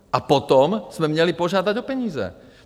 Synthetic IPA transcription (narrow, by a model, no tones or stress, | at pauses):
ʔapɔt̪ɔmz̥mɛmɲɛlipɔʒɪad̪aɟɔpɛɲiːzɛ̰